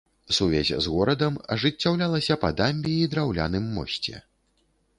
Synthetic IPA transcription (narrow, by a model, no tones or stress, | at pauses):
suvʲɛ̰zʲzɣɔɾɐd̪ɐmɐʐɨt͡sʲːawlʲalˠɐsʲɐpɐ̰d̪amʲbʲiid̪ɾawlʲa̰nɨmːɔ̰sʲt͡sʲɛ̰